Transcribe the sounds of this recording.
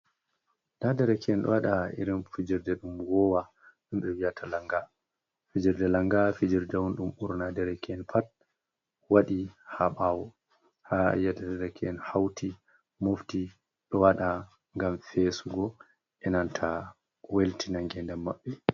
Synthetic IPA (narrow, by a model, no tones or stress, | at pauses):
nadɛɾɛkɛɛnɗɔ̰waɗaḭɾinfid͡ʒiɾdɛɗumwɔwa | ɗumɓɛwijatʰalaŋɡa | fid͡ʒiɾdɛlaŋɡafid͡ʒiɾdɛwunɗumuɾnadɛɾɛkʰɛnpʰat̚ | waɗihaɓawɔ | haa̰jadadɛɾɛkʰɛnhawtʰi | mofti | ɗɔwaɗa | ŋɡamfesuɡɔ | ʔɛnantʰa | weltinaŋɡɛndɛmːaɓːɛ